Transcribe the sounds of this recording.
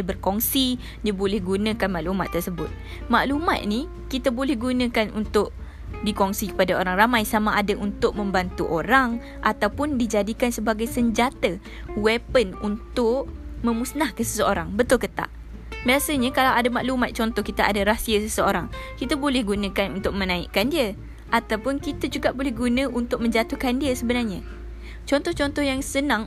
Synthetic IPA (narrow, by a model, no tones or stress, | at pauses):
dəbərkɔŋsi | diəbolɛhɡunə̃kanmaʔluma̰t̪ːərsəbʊt̪̚ | maʔluma̰t̪̚ni | kit̪abolɛhɡunə̃kanṵnt̪ʊʔ̚ | dikɔŋsikə̥padaoɾaŋramãjsamaʔadaʔunt̪ʊk̚mə̃mbant̪uʔoɾaŋ | ʔat̪awpʊndid͡ʒadikansəbaɡajsəɲd͡ʒat̪ə | wɛpənunt̪ʊʔmə̃musnahkəsə̥səoɾaŋbət̪ʊlkət̪a̰ʔ | biasəɲakalawʔadamaʔlumat̪̚t͡ʃɔnt̪ɔhkit̪aʔa̰daɾasiəsəsəoɾaŋkit̪abolɛhɡunə̃kanunt̪ʊk̚mə̃nãḭʔkandiə | ʔat̪awpʊnkit̪ad͡ʒuɡaʔbolɛɦɡunə̃ʔunt̪ʊk̚mə̃ɲd͡ʒat̪ʊhkandiəsəbənarɲa | t͡ʃɔnt̪ɔht͡ʃɔnt̪ɔhjaŋsənãŋ